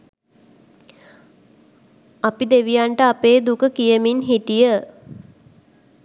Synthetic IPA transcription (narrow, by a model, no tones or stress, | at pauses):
apid̪eʋijaɳʈəapeːd̪ukəkijəminɦiʈijə